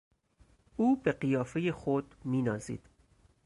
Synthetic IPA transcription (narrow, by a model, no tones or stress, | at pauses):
uːbe̞ɢijɒːfejexod̪miːnɒːzḭːd̪̥